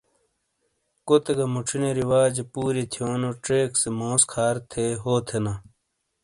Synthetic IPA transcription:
kot̪eɡɐmuʈ͡ʂʰineɾiwaːd͡ʑepuːɾit̪ʰijoːnoʈeːksemõːskʰaːɾt̪ʰeːɦoːt̪ʰena

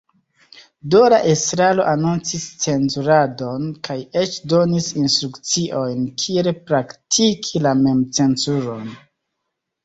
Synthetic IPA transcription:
dolaʔestɾalo̞ʔanunt͡sist͡se̞nzuɾado̞nkʰaje̞t͡ʃdo̞nisinstɾukt͡siʔo̞jnkʰielpɾaktʰikʰilame̞mt͡se̞nzuɾo̞n

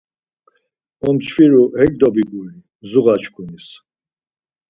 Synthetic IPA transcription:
ɔmt͡ʃʰfiɾuhɛɡ̚d̪ɔbiɡuli | zuɣat͡ʃkʰunis

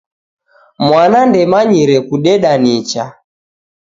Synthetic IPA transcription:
mwanandɛmaɲiɾɛkuɗɛɗanit͡ʃa

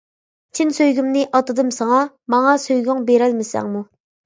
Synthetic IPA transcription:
t͡ʃʰinsøjɡʲymnɪʔɑt̪ɨd̪ɨmsɑŋɑ | mɑŋɑsøjɡʲyŋbeɾɛlmɪsæ̰ŋmu

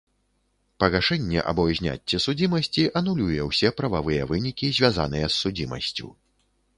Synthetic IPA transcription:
pɐɣaʂɛnʲːɛ̰ʔɐ̰bɔjzʲnʲa̰t͡sʲːɛsud͡zʲimɐsʲt͡sʲiʔɐn̪ulʲujɛwsʲɛpɾɐvavɨjɛvɨnʲikʲizʲvʲaza̰nɨjɛsːud͡zʲimɐ̰sʲt͡sʲṵ

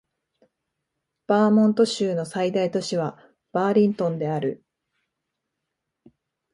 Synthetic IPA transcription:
b̥aːmõ̞nt̪o̞ɕɨːno̞said̪ait̪o̞ɕiβa | b̥aːɾʲĩnt̪õ̞nd̪e̞aɾɯ̟

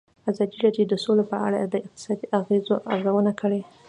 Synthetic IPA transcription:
azɑd̪iɾɑdjod̪əsolepəa̰ɽad̪əɪq̚t̪ɪ̥sɑd̪iʔaɣezoʔa̰ɾzawənakəɽe

